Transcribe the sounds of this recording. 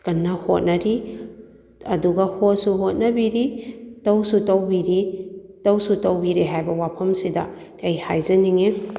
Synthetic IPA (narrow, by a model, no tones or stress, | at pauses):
kɐnːɐhot̚nɐɾi | ɐduɡɐhot̚suɦot̚nɐbiɾitɐwsutɐwbiɾitɐwsutɐwbiɾeɦajbɐwapʰɐmsidɐ̰ | ejhajzɐniŋe